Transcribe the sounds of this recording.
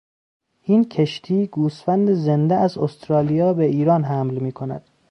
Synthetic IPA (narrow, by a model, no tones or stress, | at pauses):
ʔincʰeʃt̪ʰiːɡuːsfænd̪ezend̪eæzost̪ɾɒːlijɒːbeʔiːɾɒːnɦæmlmiːkʰonæ̰d̪̥